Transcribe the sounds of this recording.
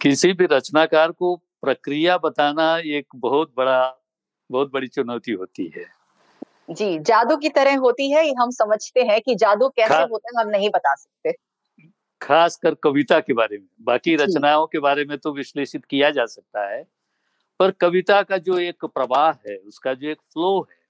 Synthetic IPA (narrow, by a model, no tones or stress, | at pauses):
kɪsibʱiɾɐt͡ʃnakaːɾkopɾɐkɾijabɐt̪aːnaeːkbɐɦʊt̪̚bɐɽa | bɐɦʊt̪̚bɐɽit͡ʃʊnəʊt̪iɦoːt̪ḭɦɛ̰ː | d͡ʒiːd͡ʒaːd̪uk̬it̪ɐɾɛ̃ɦɦoːt̪iɦɛjeɦɐmsɐməd͡ʒʱt̪eɦɛ̃kid͡ʒaːd̪ukɛːseɦoːt̪eɦɛ̃ɦɐmnɐɦĩbɐt̪asɐ̥k̚t̪eː | xʰaːskəɾkɐʋɪt̪akebaːɾemẽbaːkiɾɐt͡ʃnaːõkebaːɾemẽt̪oʋɪʃleːʃɪt̪kijad͡ʒaːsɐk̚t̪aɦɛː | pɐɾkɐʋɪt̪akad͡ʒoːeːkpɾɐʋaːɦɦɛːʊskad͡ʒoːeːkfloːɦɛː